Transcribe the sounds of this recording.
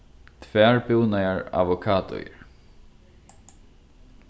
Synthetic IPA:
t̪ʰvɛːɹpɪwnajaɹa̰vɔkʰaːt̪ʊ̰jɪ̰ɹ

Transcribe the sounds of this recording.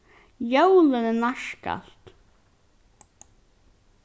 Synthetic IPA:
jœwlənənaʂka̰lt̪

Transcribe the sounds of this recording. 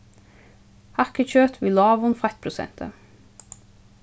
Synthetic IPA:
hækəc͡çøːt̪ʰʋɪːlɑːʋʊnfæt̪̚pʰɾʊsɛ̰nt̪ʰə̰

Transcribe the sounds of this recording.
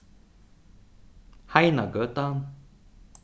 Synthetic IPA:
hajnaɡət̪an

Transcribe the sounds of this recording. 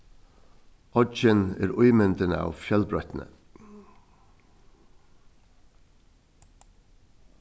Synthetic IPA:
ɔd͡ʒənæːɾʊʏmʏnd̪ənə̰ɑ̰ːʋfjœlbɾœt̪n̩ə̰

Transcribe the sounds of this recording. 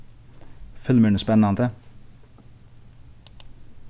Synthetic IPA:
fʏlməɳəspɛnɑnd̪ə

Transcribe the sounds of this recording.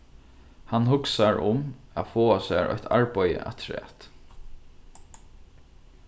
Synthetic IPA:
hanhʊksaɹʊmæðfoːasæːɹɔ̰çt̪ʰa̰ɹpajə̰ʔa̰t̪ʰɹɛ̰ːt̪

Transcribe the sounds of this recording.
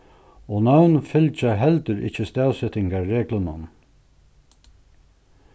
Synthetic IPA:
ɔnawnfɪlt͡ʃaɦɛlt̪əɾɪ̰t͡ʃːəst̪æːwsɛt̪ɪŋkaɹːeːklənʊ̰n

